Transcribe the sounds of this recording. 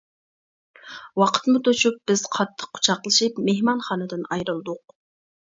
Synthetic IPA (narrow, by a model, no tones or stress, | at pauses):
wɑqʰə̥t̪mʊt̪ʰot͡ʃup̚b̥ɪz̥qʰɑt̪ʰːə̥qːʊ̥t͡ʃʰɑqlˠɨʃipmehmɑnχɑːnɨd̪ɨnɑjɾɨlˠd̪ʊq